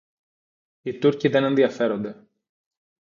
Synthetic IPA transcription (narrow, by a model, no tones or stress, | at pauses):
it̪uɾciðe̞ne̞nðiɐfe̞ɾo̞nd̪e̞